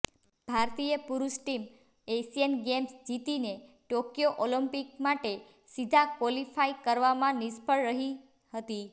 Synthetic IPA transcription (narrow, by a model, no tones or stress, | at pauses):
b̥ʱaɾt̪ijəpuɾusʈim | esijənɡemsd͡ʒit̪ine | ʈokjoʔoləmpik̚maʈe | sid̪ʱakolifaikəɾʋamãnispəɭɾəɦi | hət̪i